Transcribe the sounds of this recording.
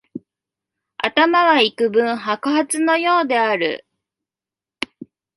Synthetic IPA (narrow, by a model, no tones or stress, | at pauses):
a̰t̪amaβaikɯ̟bɯ̟̃ɰ̃ɦakɯ̟hat͡sɨno̞jo̞ːd̪e̞aɾɯ̟̰